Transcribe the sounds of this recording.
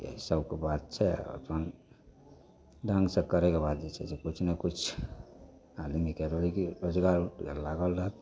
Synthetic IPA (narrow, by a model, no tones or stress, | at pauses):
ḛisəbkebat̪̚t͡ʃʰɛɔ̰t̪ən | ɖʱə̃ŋɡsẽkəɾɛkebad̪̚d͡ʒet͡ʃʰɛd͡ʒekut͡ʃʰnekut͡ʃʰ | alimikeɾolikiɾod͡ʒɡaɾuʈkḛlaɡəlɾat̪